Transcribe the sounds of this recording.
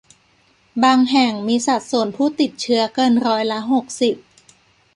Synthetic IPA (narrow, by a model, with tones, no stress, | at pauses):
baː˧ŋɦɛ˨˩ŋmiː˧sa˨˩t̪̚su˨˩ənpʰuː˥˩t̪i˨˩t̪̚t͡ɕʰɯ˦˥ɐkɤː˧nɾɔː˧˥jla˦˥ɦo˨˩k̚si˨˩p̚